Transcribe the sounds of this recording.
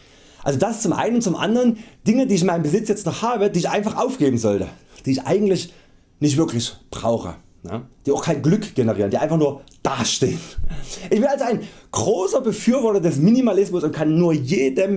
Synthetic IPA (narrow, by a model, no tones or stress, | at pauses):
ʔalzodasst͡sʊmʔa̰ɪnənt͡sʊmʔa̰ndəʁənd̥ɪŋədiːɪçɪnmaɪnəmbəzɪt͡sjɛt͡stnɔχhaːbədiːɪçʔa̰ɪnfaχʔaʊfɡ̥eːbm̩zɔltə̰ | d̥iːɪçʔa̰ɪɡŋ̩tlɪç | nɪçtv̥ɪɐklɪçb̥ʁa̰ʊxə̰ | na̰d̥iːaʊxkʰaɪnɡlʏkɡ̥ɛnəʁiːʁəndiːaɪnfaχnuːɐd̥aːʃtḛːənʔɪçb̥ɪnalzoaɪnɡ̥ʁoːsɐbəfyːɐvɔɐtɐdɛsminimalɪsmʊsʊntkʰanːuːɐjeːdəm